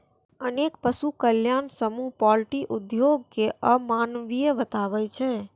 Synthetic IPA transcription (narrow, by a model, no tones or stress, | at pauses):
ənekpəsukəljaːnsəmupɔlʈiʔud̪joɡ̚keʔəmaːnʋijəʋət̪aːʋɛt͡ʃʰɛ